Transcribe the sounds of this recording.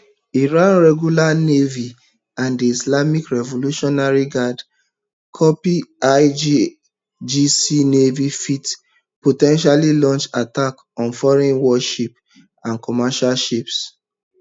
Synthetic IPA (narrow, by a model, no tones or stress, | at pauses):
iɹãnɹɛɡjulanevi | ãndiislamikɹɛvoluʃɔnaɹiɡad | kʰɔpiad͡ʒi | d͡ʒisinevifit | potɛ̃nʃalilɔ̃nt͡ʃatak | ɔ̃nfɔɹɛ̃nwɔʃip | ãnkɔmaʃalʃips